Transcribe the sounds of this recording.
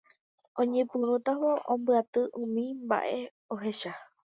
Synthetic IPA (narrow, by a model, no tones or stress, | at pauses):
õɲẽpuɾut̪aʋoʔõmbɨat̪ɨʔũmĩmba̰ʔe̞ | o̞ɦe̞ʃa